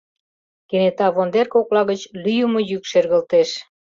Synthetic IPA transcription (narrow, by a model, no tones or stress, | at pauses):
kenet̪ɑβond̪erkoklɑɣət͡ɕlyjəmŏjykʃerɣəlt̪eʃ